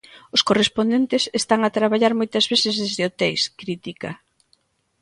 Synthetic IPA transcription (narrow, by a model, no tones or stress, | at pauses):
ʊskorespond̪ent̪ɪsest̪aŋat̪ɾaβaʎaɾmojt̪azβesezðezðɪot̪ejskɾit̪ika